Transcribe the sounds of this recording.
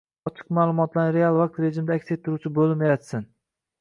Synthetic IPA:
ɒt͡ʃʰɪ̥qmaːlˠʊmɒt̪laɾɾealˠvaq̚t̪ɾe̞ʒɪmd̪aakʲset̪ʰːʊɾuwt͡ʃʰɪbolɪmeɾat̪sɪn

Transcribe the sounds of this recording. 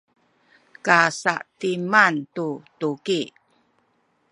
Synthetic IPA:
kasa̰ʔtimantutuki

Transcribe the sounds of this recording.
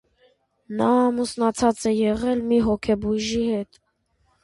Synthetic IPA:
nɑːmusnɑt͡sʰɑt͡sɛjɛʁɛlmiɦɔkʰɛbuʒihɛt̪

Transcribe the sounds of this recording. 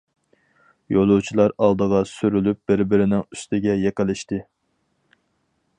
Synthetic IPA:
jolˠuwt͡ʃʰilˠɑɾɑlˠd̪əʁɑsyɾylyp̚b̥ɪɾbɪɾɪnɪŋyst̪ɪɡʲɛjeqɪlˠɪʃt̪ɨ

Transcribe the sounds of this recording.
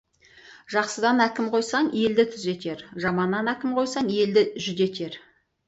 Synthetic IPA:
ʒɑqsəd̪ɑnækʲɪmqʰo̞jsɑɴe̞ld̪ɪt̪ʰʏze̞t̪e̞ɾʒɑmɑnːɑnækʲɪmqʰo̞jsɑɴje̞ld̪ɪʒʏd̪e̞t̪e̞ɾ

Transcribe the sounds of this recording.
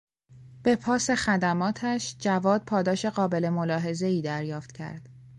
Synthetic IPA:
b̥e̞pʰɒːse̞xæd̪æmɒːt̪ʰæʃd͡ʒævɒːd̪̚pʰɒːd̪ɒːʃe̞ɢɒːbe̞le̞molɒːɦe̞ze̞iːd̪æɾjɒːft̪cʰæ̰ɾd̪̥

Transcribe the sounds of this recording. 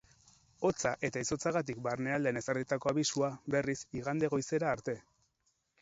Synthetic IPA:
o̞t͡saʔe̞t̪aiso̞t͡saɣat̪̬ikbarne̞ald̪ene̞saɾðit̪ako̞aβisuabe̞risiɣand̪e̞ɣo̞jse̞ɾaːɾt̪e̞

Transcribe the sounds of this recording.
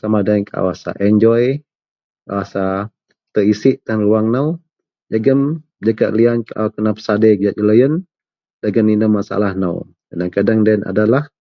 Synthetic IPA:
samadanka̰wasa̰ʔɛɲd͡ʒɔj | ka̰wasa | t̪əisɪʔt̪aŋnluaŋnaw | d͡ʒaɡəm | d͡ʒakaʔ̪liankakənapsaded͡ʒad͡ʒələjən | daɡəninəmːasa̰lahna̰w | andaŋkadaŋdana̰dalah

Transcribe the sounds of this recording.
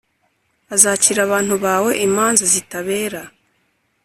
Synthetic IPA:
azaciːɾaβaːn̥huβaːwe̞ʔimaːnzazitaβe̞ːɾa

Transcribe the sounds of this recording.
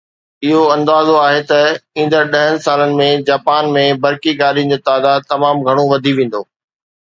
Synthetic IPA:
ɪɦoɐ̃nd̪aːzoaːɦet̪ɐĩːnd̪əɾɗɐɦənɪ̆saːlənɪ̆mẽd͡ʑaːpaːnmẽbɐɾkiɡaːɾind͡ʑoːt̪aːd̪aːd̪̚t̪ɐmaːmɡʱɐɽ̃oʋɐd̪ʱiʋẽːn̆d̪oː

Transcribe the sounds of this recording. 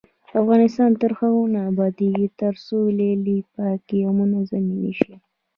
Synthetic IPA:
afɣɑnɪst̪ɑnt̪əɾxaɣonaːbɑd̪eɡit̪əɾsolelipakijamunazaminḭʃi

